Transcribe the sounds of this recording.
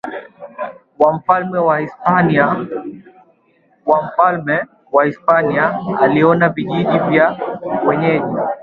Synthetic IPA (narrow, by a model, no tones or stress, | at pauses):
wam̩falmɛwaispana | wam̩falmɛ | wahispaniaa̰liɔnaviʄiʄivjawɛɲɛʄi